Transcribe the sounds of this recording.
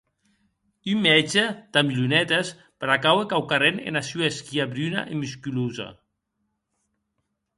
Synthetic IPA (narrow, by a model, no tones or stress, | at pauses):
ymmːɛd͡ʒed̪̥amiʎunɛt̪es | peɾakawekawkarenḛnasueskiaβɾyna̰ʔemyskyluza̰